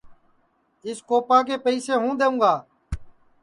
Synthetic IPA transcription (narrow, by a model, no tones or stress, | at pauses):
ɪskoːpaːkeːpəiːseːɦũːd̪eːũːɡaː